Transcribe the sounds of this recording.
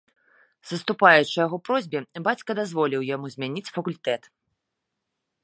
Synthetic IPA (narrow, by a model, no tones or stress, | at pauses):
zɐst̪upajut͡ʂɨjaɣɔpɾɔzʲbʲɛbat͡sʲkɐd̪azvɔlʲiwjamuzʲmʲanʲit͡sʲfɐkulʲt̪ɛt̪